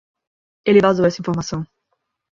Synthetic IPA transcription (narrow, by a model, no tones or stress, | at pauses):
elɪvazowɛsɐĩfoɾmasɐ̃w̃